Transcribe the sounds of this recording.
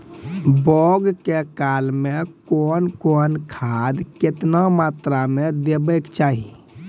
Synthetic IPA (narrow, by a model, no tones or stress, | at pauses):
bɔɡkekalmekonkonkʰad̪ket̪namat̪ɾamed̪ebɛkt͡ʃaɦi